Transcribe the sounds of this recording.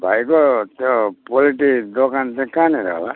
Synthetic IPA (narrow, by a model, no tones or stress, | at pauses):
bʱajkot̪jopoliʈid̪okant͡sãĩkaneɾaɦla